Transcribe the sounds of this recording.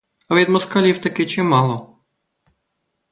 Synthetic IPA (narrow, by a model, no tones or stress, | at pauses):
ɐʋʲid̪mɔskɐlʲiwt̪ɐkɪt͡ʃɪmɑlˠɔ